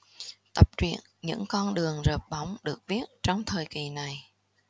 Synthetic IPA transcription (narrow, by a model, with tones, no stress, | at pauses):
t̪ə˨˩p̚t͡ɕwḭ˧˨ənɲɨ̰˧˥ŋkɔ˧nɗɨ˨˩əŋzəː˨˩p̚ɓa˧˦wŋ͡mɗɨ˨˩ək̚vi˦˥ət̚t͡ɕɔ˧wŋ͡mt̪ʰəː˨˩jki˨˩na˨˩j